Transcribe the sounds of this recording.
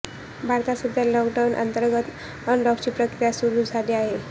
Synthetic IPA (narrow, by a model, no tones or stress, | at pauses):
bʱaɾt̪asud̪ʱjalɔkɖawnʔa̰nt̪əɾɡət̪ | ənɖɔkt͡ɕiːpɾəkɾijasuɾuːd͡zʱaleaɦe